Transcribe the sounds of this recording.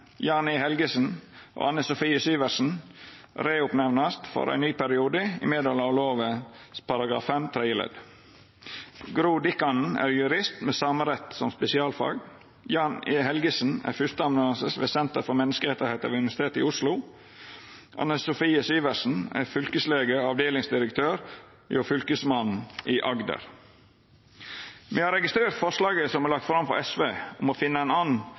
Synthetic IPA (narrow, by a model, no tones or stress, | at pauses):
jɑːnɪhɛlɡəsn̩ʔo̰ːʔɑnːəsʊfiːəsyːʋəɾsn̩ | ɾeːʊpnɛʋnɑst̪fɔ̰ɾæ̰ɪnyːpæɾɪuːd̪əɪ̰meːd̪əlɑʋloːʋəspʰɑɾɑɡɾɑ̰ːfːɛmt̪ʰɾɛɪjəlɛ̰d̪ | ɡɾuːd̪ɪkɑnn̩æ̰ːɾjʉɾɪst̪meːsɑːməɾɛt̪sɔmspɛsɪɑːlfɑ̰ːɡ | jɑːnəhɛlɡəsn̩æ̰ɾfʏst̪əɑmnʉɑnsəsʋɛsɛnt̪əɾfɔmɛnːəskəɾɛt̪ːəɾhæɪt̪ɑ̰ʋʉnɪʋæsɪt̪ʰeːt̪ɪ̰ʊslʊ | ʔɑ̰nəsʊfiːəsiːʋəsn̩æ̰ɾfʏlkəsleːɡəɾɑʋd̪eːlɪŋsd̪ɪɾəkt̪ʰøːɾ | jofʏlkəsmɑnʔiːʔɑɡd̪ə̰ɾ | mɛːhɑːɾɛɡɪst̪ɾeːɾt̪fɔʂlɑːɡəsɔmæɾlɑk̚t̪fɾɑmfɔɾɛsʋeːʊmofɪnːəæɪnɑːnn̩